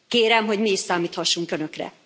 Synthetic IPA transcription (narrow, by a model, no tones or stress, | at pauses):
keːɾɛmɦo̞ɟmiiʃsaːmiːt̪hɒʃːuŋkønøkrɛ̰